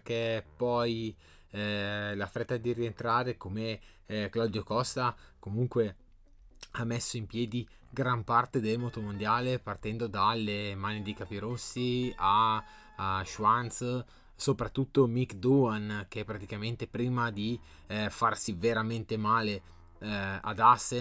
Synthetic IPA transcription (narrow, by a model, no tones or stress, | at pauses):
kepɔj | lafɾet̪ːad̪iɾient̪ɾaːɾekome | klad̪jokɔst̪akomuŋkwe | amːesːoimpjɛːd̪i | ɡɾampart̪ed̪elmot̪omond̪jaːlepart̪ɛnd̪od̪alːemanid̪ekapiɾosːia | ʃwant̪s | sopɾat̪ːut̪ːomikd̪oankeɛpːɾat̪ikament̪epɾiːmad̪i | farsiveɾament̪emaːle | a̰d̪asːe